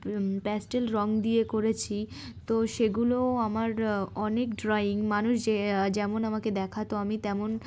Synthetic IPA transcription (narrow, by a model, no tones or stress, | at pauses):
pɛsʈelɾɔŋd̪iekoɾet͡ɕʰi | t̪oʃeɡuloamaɾɔnekɖɾajiŋmanuʃd͡ʑed͡ʑɛmonamaked̪ɛkʰat̪oamit̪ɛmon